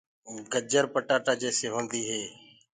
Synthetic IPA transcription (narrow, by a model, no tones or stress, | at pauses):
ɡəd͡ʒəɾpəʈaːʈaːd͡ʒeːseːɦõːnd̪iːɦeː